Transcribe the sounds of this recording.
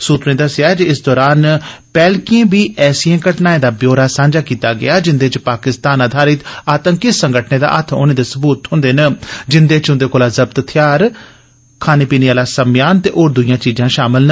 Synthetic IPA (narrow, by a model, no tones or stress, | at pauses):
suːt̪nẽːd̪əsɪjaːɛd͡ʒiɪsd̪ɔːɾaːnpɛːlkiẽːbiːɛːsjãːkəʈnaːẽːd̪aːbjoːɾaːsãːnd͡ʒaːkiːt̪aːɡɪ̰jaːd͡ʒɪnd̪eːt͡ʃpaːkɪst̪aːnad̪ʱaːɾɪt̪aːt̪ə̃ŋkɪt̪sə̃ŋɡəʈʰneːd̪a̰ːʔət̪ʰo̰ːnẽːd̪eːsəbuːt̪ɦʊ̃nd̪eːnəd͡ʒɪnd̪eːt͡ʃɦʊ̃nd̪eːkoːlaːzəbt̪t̪ʰjaːɾ | kʰaːneːpiːniːaːlaːsəmjaːnt̪ḛːʔoːɾd̪ʊijãːt͡ʃiːd͡ʒãːʃaːmɪlnə